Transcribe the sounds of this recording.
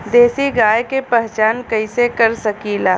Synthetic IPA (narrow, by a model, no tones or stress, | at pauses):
d̪eːsiɡaːjkepɛɦt͡ʃaːnkɐɪsekɐɾsɐkilaː